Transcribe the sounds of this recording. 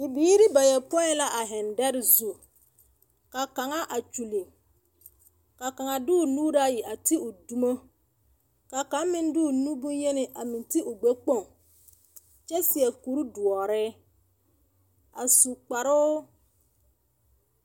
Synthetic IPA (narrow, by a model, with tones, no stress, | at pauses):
ɪ˨biː˦ɾɪ˦ba˨jɛ˨pɔ˦ɛ˦la˦ʔa˨ɦɪ˨ndɛ˦ɾɪ˨zu˦ | ka˨ka˨ŋa˦ʔa˨t͡ʃu˨li˨ | ka˨ka˨ŋa˨dɪ˦ʊ˨nuː˦ɾa˦˨ji˨ʔa˨tɪ˦ʊ˨du˦mo˦ | ka˨ka˨˦mɪ˦n˦dɪ˦ʊ˨nu˦bu˦nje˦nɪ˨ʔa˨mɪ˨ntɪ˦ʔʊ˨ɡ͡bɛ˦k͡po˦˨ŋ | t͡ʃɛ˦sɪ˨ɛ˨ku˨ɾu˦du˨ɔ˨ɾɪ˦ | a˨su˨k͡pa˨ɾʊː˦